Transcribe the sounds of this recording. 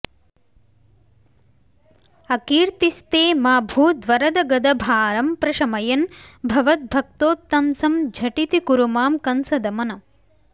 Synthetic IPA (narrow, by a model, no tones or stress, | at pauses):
ɐkiːɾt̪ist̪eːmaːbʱuːd̪ʋɐɾɐd̪ɐɡɐd̪ɐbʱaːɾɐmpɾɐʃɐmɐjɐnbʱɐʋɐt̪̚bʱɐk̚t̪oːt̪ːɐnsɐmd͡ʒʱɐʈit̪ikuɾumaːmkɐnsɐd̪ɐmɐnɐ